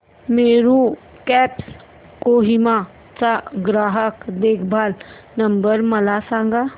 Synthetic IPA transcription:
meːɾu | kɛːps | koːɦɪma | t͡ʃaɡɾaːɦəkd̪eːkʰbʱaːl | nɐ̃mbəɾmɐlasãːŋɡa

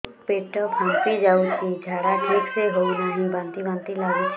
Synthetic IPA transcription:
peʈəpɦə̃npid͡ʒaːukʰid͡ʒʱaːɾaʈʰikseɦounəɦĩbãnt̪ibãnt̪ilau

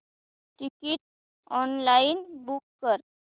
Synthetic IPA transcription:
ʈikiʈ̚ | ɔnlainbukːəɾ

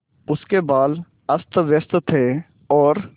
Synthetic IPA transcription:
ʊskebaːl | əst̪ʋjəst̪t̪ʰeː | ɔːɾ

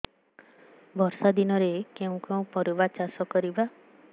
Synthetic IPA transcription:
bʱɔɾsad̪inɔɾekeũkeũpɔɾubat͡ʃasɔkɔɾiba

